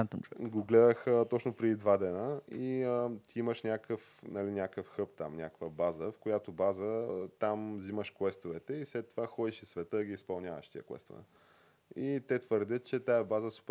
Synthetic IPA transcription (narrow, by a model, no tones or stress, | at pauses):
ɡoɡlɛd̪əxət̪ɔt͡ʃnopɾɛd̪id̪vad̪ɛnəiət̪iiməʃnʲakəfnɐlinʲakəfxɤpt̪a̰mnʲa̰kvəbazəfkojat̪obazət̪amziməʃkwɛst̪ovɛt̪ɛislɛt̪ːovaxɔd̪iʃisvɛt̪əɡʲiispɐlˠnʲavə̰ʃt̪ḭə̰kwɛ̰st̪o̰vɛ̰ | it̪ɛt̪vəɾd̪ʲət̪t͡ʃɛt̪ajɐbazəsu̥p